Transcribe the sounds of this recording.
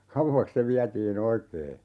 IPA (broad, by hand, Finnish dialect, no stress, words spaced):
kɑuʋːɑks se ʋiætiːn oikeː